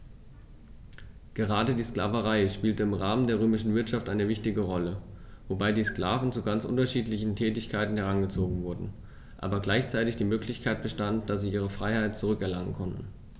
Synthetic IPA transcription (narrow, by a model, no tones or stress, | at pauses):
ɡ̥əʁ̞aːdədiːskla̰ːvəʁaɪʃpiːltəɪmʁaːməndeːɐʁ̞øːmɪʃn̩vɪɐtʃaftʔaɪnəvɪçtɪɡəʁɔləvobaɪdiːskla̰ːvn̩t͡suɡant͡sʔʊ̰ntɐʃiːtlɪçn̩tʰɛːtɪçkʰaɪtn̩hɛʁ̞anɡət͡soːɡŋ̩vʊɐdn̩ | ʔa̰ːbɐɡlaɪçt͡saɪtɪçd̥iːmøːklɪçkʰaɪt̚b̥əʃtantd̥asz̥iːʔiːʁ̞əfʁ̥aɪhaɪt̚t͡suʁ̞ʏkɛɐlaŋənkʰɔntn̩